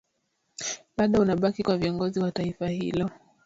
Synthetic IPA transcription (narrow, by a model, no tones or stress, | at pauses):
ɓaɗɔunaɓakikwaviɔŋɡɔziwataifahḭlɔ